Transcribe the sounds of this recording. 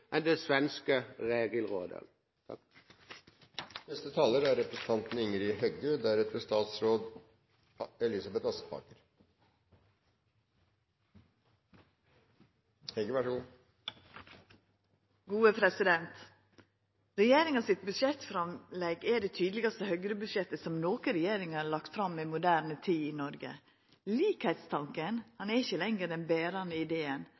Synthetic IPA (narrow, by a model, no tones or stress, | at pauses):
ʔɛnd̪ɛsʋɛnskəʁeːɡəl̩ʁo̰ːd̪ə̰ | t̪ʰɑ̰k | nɛst̪ət̪ʰɑːləɾæɾɾɛpɾɛsn̩t̪ʰɑnt̪n̩ʏŋəɾɪɦœɡəd̪æɾɛt̪̚bəst̪ɑːt̪sɾoːd̪ | ɛlɪsɑbɛt̪ɑsə̥pʰɑ̰ːkəɾ | hɛɡəʋæʂəɡuː | ɡuːəpʰɾɛsɪd̪ɛnt̪ | ɾɛjeːɾɪŋɑsɪt̪̚bʉʃɛt̪fɾɑmlɛɡɛɖɛt̪ʰyːd̪əlɪɡɑst̪əhœɡɾəbʉʃjɛt̪ːəsɔmnoːkəɾɛjeːɾɪŋɑɭɑk̚t̪fɾɑmːɛmʊd̪æːɾnət̪ʰiːɪnɔɾɡə̰ | liːkhæɪt̪st̪ʰɑŋkənhɑnæɾɪçəlɛŋɡəd̪ɛnbeːɾɑnəɪd̪eːən